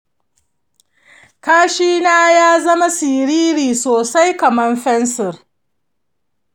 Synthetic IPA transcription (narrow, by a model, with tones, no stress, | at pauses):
kaː˦ʃiː˦naː˦jaː˦zɐ˦ma˦si˨ɾiː˦ɾiː˨soː˨sa˦jkɐ˨mɐ˦mɸɛ˦nsɪ˨r